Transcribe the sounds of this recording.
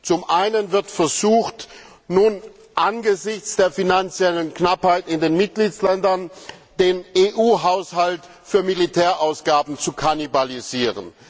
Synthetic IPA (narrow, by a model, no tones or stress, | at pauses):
t͡sʊmʔaɪnənvɪɐtfɛɐzuːxt | nuːn | ʔanɡəzɪçt͡sd̥eːɐfinant͡sjɛlənknaphaɪtɪndeːnmɪt̚ɡ̥liːslɛndɐnd̥eːnʔeːʔuːɦaʊshalt | fyːɐmilitʰɛːɐʔaʊsɡ̥aːbn̩t͡sukʰanibaliziːʁə̰n